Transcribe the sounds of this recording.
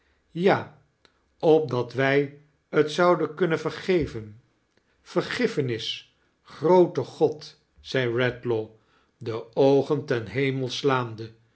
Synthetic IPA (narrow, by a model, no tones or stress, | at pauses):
jaː | ɔp̚dɑtʋɛj | ətsɑwdənkɵnəvəɹχejvən | fəɹχɪfənɪs | χrowtəχɔt | sɛjɹɛtlo | dəowχəntɛnɦejməlˠslaːmdə